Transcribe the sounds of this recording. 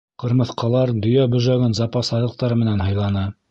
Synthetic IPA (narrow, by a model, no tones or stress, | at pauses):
qɤ̆ɾmɤ̆θqɑlˠɑɾd̪ɵ̆jæbɵ̆ʒæɡɘnzɑpɑsɑðɤ̆q̚t̪ɑɾmɘ̆nænɦɑjlˠɑnɤ